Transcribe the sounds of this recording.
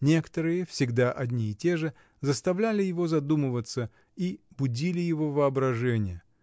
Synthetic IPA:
nʲe̞kə̥t̪əɾɨjəfsʲɪɡd̪aʔɐdʲnʲiːtʲe̞ʐɨ | zəst̪ɐvlʲælʲɪjɪvo̞zɐd̪umɨvət̪sə | i | bʊdʲilʲɪjɪvo̞vəɐbɾɐʐɛnʲɪjə

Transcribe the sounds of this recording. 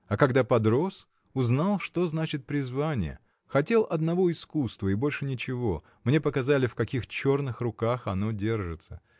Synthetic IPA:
ɐkɐɡd̪apɐd̪ɾo̞s | ʊznalˠʂt̪o̞znat͡ɕɪt̪̚pɾʲɪzvanʲɪ̰jə̰ | xɐtʲe̞lˠʔɐd̪nɐvo̞ɪskust̪vəɪbo̞lʲʂɨnʲɪt͡ɕɪvo̞ | mnʲe̞pəkɐzalʲɪfkɐkʲixt͡ɕo̞rnɨxrʊkaxɐno̞dʲe̞rʐɨt̪sə

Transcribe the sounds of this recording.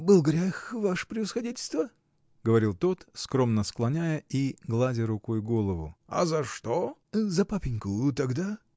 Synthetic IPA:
bɨlˠɡɾʲaxvaʂə̥pɾʲɪvəsxɐdʲitʲɪlʲst̪və | ɡəvɐɾʲilˠt̪o̞t̪skɾo̞mnəsklˠɐnʲæjəiɡlˠadʲɪɾʊko̞jɡo̞lˠəvʊ̰ɐ̰zɐʂt̪ozɐpapʲɪnʲkʊt̪ɐɡd̪a

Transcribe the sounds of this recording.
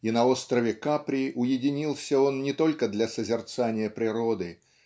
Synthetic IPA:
inɐo̞st̪ɾəvʲɪkapɾʲɪʔʊjɪdʲɪnʲilˠsʲəo̞nnʲɪt̪o̞lʲkəd̪lʲɐsəzʲɪrt̪sanʲɪjəpɾʲɪɾo̞d̪ɨ

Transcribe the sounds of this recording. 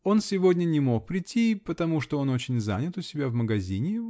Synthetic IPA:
o̞nsʲɪvo̞dʲnʲənʲɪmo̞k̚pɾʲɪtʲːipət̪ɐmuʂt̪oo̞no̞t͡ɕɪnʲza̰nʲɪt̪ʊsʲɪbʲavməɡɐzʲinʲɪ

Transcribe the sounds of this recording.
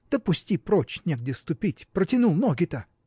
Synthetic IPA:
d̪̥əpʊsʲtʲipɾot͡ɕnʲeɡ̚dʲɪst̪ʊpʲitʲpɾətʲɪnulˠnoɡʲɪt̪ə

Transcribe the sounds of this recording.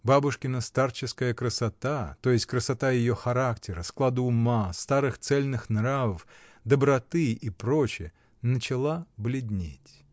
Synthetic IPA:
babʊʂkʲɪnəst̪art͡ɕɪskəjəkɾəsɐt̪at̪o̞jɪsʲtʲkɾəsɐt̪ajɪjoxɐɾaktʲɪɾəsklˠad̪ːmast̪aɾɨxt̪sɛlʲnɨxnɾavəfd̪əbɾɐt̪ɨipɾo̞t͡ɕɪjə | nət͡ɕɪlˠablʲɪd̪ʲnʲḛtʲ

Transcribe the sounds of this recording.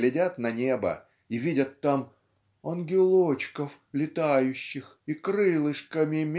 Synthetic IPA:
lʲɪdʲat̪nɐnʲebə̰ | ivʲidʲət̪ːam | ɐnɡʲɪlˠot͡ɕkəf | lʲɪt̪ajʉɕːɪx | ikɾɨlˠɨʂkəmʲɪmʲ

